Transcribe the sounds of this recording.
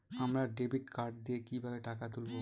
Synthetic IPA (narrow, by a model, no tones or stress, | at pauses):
amɾaɖebiʈkaɾʈ̚d̪iekibʱabeʈakat̪ulbo